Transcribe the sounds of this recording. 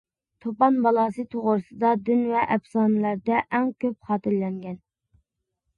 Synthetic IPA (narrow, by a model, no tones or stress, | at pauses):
t̪ʰopɑnbɑlˠɑːsɨt̪ʰoʁʊɾɨsɨd̪ɑd̪ynvɛʔɛbsɑːnɨlæɾd̪ɛʔɛŋkʲøp̚χɑːt̪ɪɾlɛŋɡʲɛn